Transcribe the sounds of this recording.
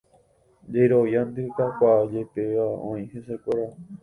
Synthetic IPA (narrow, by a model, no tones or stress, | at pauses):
d͡ʒejɾoʋjand̪ɨkakʷad͡ʒepeaõ̰ĩhesekʷoɾa